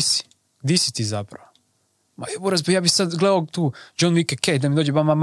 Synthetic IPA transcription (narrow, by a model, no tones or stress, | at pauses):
si̥ | ɡd̪isi̥t̪iːzapɾa̰ʋo | maebuɾasbojaːbixsad̪ɡled̪aot̪uːd͡ʒonʋikekejd̪amid̪oːd͡ʒeʋamam